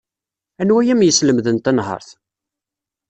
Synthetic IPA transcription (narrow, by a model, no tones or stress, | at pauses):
ænwæjæmjəsləmðənt̪ænɦə̰ɾˤθ